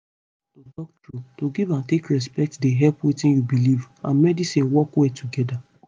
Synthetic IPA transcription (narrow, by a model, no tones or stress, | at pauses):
todɔk̚tɹutoɡivãntekɹɛs̬pɛk̚tdeɦɛlpwetĩnjubiliv | ã̰nmɛdisĩnwɔkwɛtʰuɡɛda